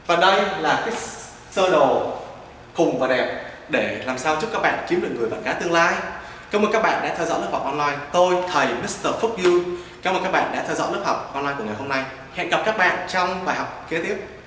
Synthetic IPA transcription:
vaː˨˩ɗə˧jlaː˨˩kaː˨˦ | səː˧ɗo˨˩ | xʊ˨˩ŋ͡mvaː˨˩ɗɛ˨˩p̚ | ɗe˧˩laː˨˩msaː˧wt͡ɕʊ˦˥kaː˦˥k̚ɓa̰ː˧˨nki˨˦mɗɨ˨˩ək̚ŋɨ˨˩əjvə̰˧˨nkaː˨˦t̪ɨ˧əŋlaː˧j | kaː˨˦mə˨˩kaː˦˥kɓa̰ː˧˨nɗa̰ː˧˥t̪ʰɛ˧wzɔ̰˧˥lɨ˦˥ha˨˩k͡p̚ʔɔ˧nlaː˧jt̪o˧jt̪ʰə˨˩jmi˦˥st̪əː˧fʊ˦˥k̚zu˧ | ka˨˦məː˨˩kaː˦˥k̚ɓaː˧˨nɗa̰ː˧˥t̪ʰɛ˧wzɔ̰˧˥lɨ˦˥p̚ha˨˩wk͡p̚kɔː˧nlaː˧jku˧˩əŋa˨˩jɦo˧mna˧j | hɛ̰˧˨nkə˨˩p̚kaː˦˥k̚ɓa̰ː˧˨nt͡ɕɔ˧wŋ͡mɓaː˨˩jɦɔ˨˩wk͡p̚ke˧˨˦t̪i˦˥əp̚

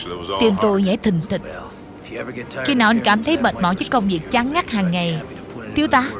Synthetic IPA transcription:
t̪i˧əmt̪o˧jzɛ̰ː˧˥˦jt̪ʰï˨˩ŋ̟t̪ḭ̈˧˨ŋ̟ | xi˧naː˨˩wʔa˧ŋ̟kaː˧˩mt̪ʰə˨˦jɓəː˨˩t̚mɔ̰˧˩zɨ˦˥kə˧wŋ͡mvi˨˩ək̚t͡ɕa˨˦ŋːa˦˥k̚haː˨˩ŋːa˨˩j | t̪ʰi˨˦əwt̪aː˧˨˦

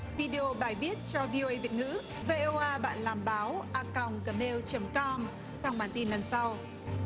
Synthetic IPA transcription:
vi˧ɗe˧ʔo˧ɓaː˨˩jɓi˦˥ət̚t͡ɕɔ˧vi˧ʔo˧ʔə˧jvi˨˩ət̚ŋɨ̰˧˥ | ve˧ʔo˧ʔaː˧ɓa̰ː˧˨nlaː˨˩mɓaː˨˦wʔaː˧ka˨˩wŋ͡mkəː˨˩me˧wt͡ɕə˨˦mkɔ˧m | t͡ɕɔ˧wŋ͡mɓaː˧˩nt̪i˧nlə˨˩nsa˧w

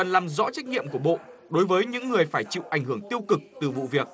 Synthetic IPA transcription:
ə˨˩nlaː˨˩mzɔ̰˧˥t͡ɕa˦˥k̟̚ɲḭ˧˨əmku˧˩əɓo̰˧˨ɗo˨˦jvəː˨˦jɲɨ̰˧˥ŋːɨ˨˩əjfaː˧˩jt͡ɕḭ˧˨wʔa˧˩jŋ̟hɨ˧˩əŋt̪i˧əwkɨ˨˩k̚t̪ɨ˨˩vṵ˧˨vi˨˩ək̚

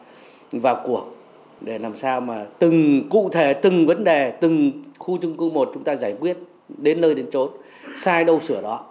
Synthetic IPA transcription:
vaː˨˩wku˨˩ək̚ | ɗe˧˩laː˨˩msaː˧wmaː˨˩t̪ɨ˨˩ŋkṵ˧˨t̪ʰe˧˩t̪ɨ˨˩ŋvə˨˦nɗe˨˩t̪ɨ˨˩ŋxu˧t͡ɕʊ˧ŋ͡mkɨ˧˦mo˨˩t̚t͡ɕʊ˨˦ŋ͡mt̪aː˧zaː˧˩jkwi˦˥ət̚ | ɗe˨˦nːəː˧jɗe˨˦nt͡ɕo˨˦n | saː˧jɗə˧wsɨ˧˩əɗɔ˨˦

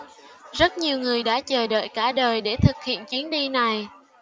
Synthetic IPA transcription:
zə˦˥t̚ɲi˨˩əwŋɨ˨˩əjɗa̰ː˧˥t͡ɕəː˨˩ɗə̰ː˧˨jkaː˧˩ɗəː˨˩jɗe˧˩t̪ʰɨ˨˩k̚hḭ˧˨ənt͡ɕi˨˦ənɗi˧na˨˩j

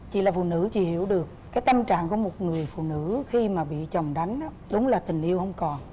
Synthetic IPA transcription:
t͡ɕḭ˧˨laː˨˩fṵ˧˨nɨ̰˧˥t͡ɕḭ˧˨hi˧˩əwɗɨ˨˩əkːaː˨˦jt̪ə˧mt͡ɕa̰ː˧˨ŋku˧˩əmo˨˩t̚ŋɨ˨˩əjfṵ˧˨nɨ̰˧˥xi˧maː˨˩ɓḭ˧˨t͡ɕə˨˩wŋ͡mɗa˨˦jŋ̟ʔa˨˦ɗʊ˨˦ŋ͡mlaː˨˩t̪ï˨˩ŋ̟ʔi˧əwhə˧wŋ͡mkɔ˨˩n

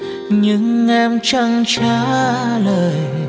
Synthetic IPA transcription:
ɲɨ˧˦ŋʔɛ˧mt͡ɕa˧ŋt͡ɕaː˧˦ləː˨˩j

